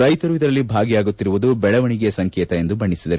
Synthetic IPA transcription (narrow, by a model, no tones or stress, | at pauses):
ɾɐjt̪ɐɾuʋid̪ɐɾɐlːibʱaːɡijaːɡut̪ːiɾuʋud̪ubɛɭɐʋɐɳiɡe̞sɐŋkɛːt̪ɐe̞nd̪ubʱɐɳːisid̪ɐɾ